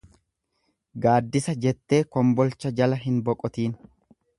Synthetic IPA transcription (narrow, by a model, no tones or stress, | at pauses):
ɡaːd̪ːɪsɐd͡ʒɛt̪ːe̞ːkɔmbɔlt͡ʃːɐd͡ʒɐlɐɦɪnbɔkʼɔt̪iːn